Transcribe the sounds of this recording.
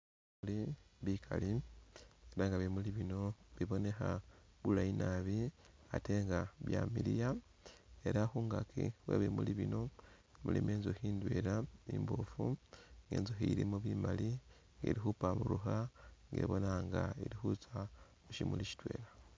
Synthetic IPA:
liβikʰali | eɾaŋɡaβemuliβino̞βiβo̞ne̞xaβulainaβiate̞ːŋɡaβjamiɾija | e̞ɾaxuŋɡakʰiweːβemuliβino̞ | mulimeːnzohiːndwe̞ɾaiːmbofuŋɡeːnzoɦiiɾimuβimali | ŋɡḛɾiɦupamuɾuɦaŋɡe̞̰ːβo̞naŋɡaeɾihut͡sa | uʃimuliʃi̥tweːɾa

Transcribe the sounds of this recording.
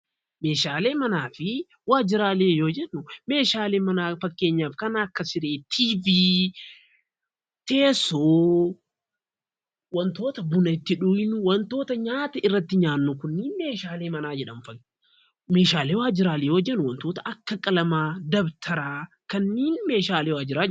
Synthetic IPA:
me̞ːʃaːle̞ːmɐnaːfɪ | waːd͡ʒɪɾaːleːjo̞ːd͡ʒɛnːʊme̞ːʃaːleːmɐnaːfɐkːe̞ːɲːaːfkɐnaːkːɐsɪɾeːt̪ʰiːviː | t̪e̞ːsoː | wɐnt̪o̞ːt̪ɐbʊnɐɪt̪ːɪᶑujnʊwɐnt̪o̞ːt̪ɐɲaːt̪ɐɪrːɐt̪ːɪɲaːnːʊkʊnːiːnme̞ːʃaːle̞ːmɐnaːd͡ʒɛᶑɐmfɐ | me̞ːʃaːleːwaːd͡ʒɪɾaːleːjoːd͡ʒɛnːʊwɐnt̪oːt̪ɐʔɐkːɐkʼɐlɐmaːd̪ɐbt̪ʰɐɾaː | kɐnːiːnme̞ːʃaːleːwaːd͡ʒɪɾaːd͡ʒ

